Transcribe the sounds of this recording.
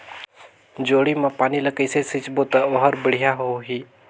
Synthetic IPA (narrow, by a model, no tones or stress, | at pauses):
d͡ʒoːɽiːmãːpaːniːləkisesɪt͡ʃboːt̪aoːɦəɾbəɽ̤ɪjaɦoɦiː